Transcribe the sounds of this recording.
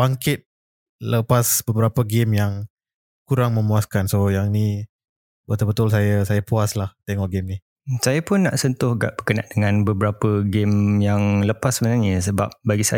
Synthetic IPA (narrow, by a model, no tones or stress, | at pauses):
baŋkɪt̪̚ | ləpasbəbəɾapəɡɪmjaŋ | kuɾaŋmə̃muaskansojaŋni | bət̪ʊlbət̪ʊls̬ajəsajapuaslaht̪eŋɔʔɡɛmni | sajapʊnːa̰ʔsɔnt̪ʊhɡa̰ʔb̥əkənandəŋãnbəbəɾapəɡɪmjaŋləpasːəmənarɲəsəba̰p̚baɡisaj